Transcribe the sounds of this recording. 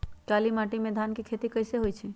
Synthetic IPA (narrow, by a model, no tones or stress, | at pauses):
kaːlimãʈimẽd̪ʱaːnkikʰet̪ikəɪseɦojt͡ʃʰi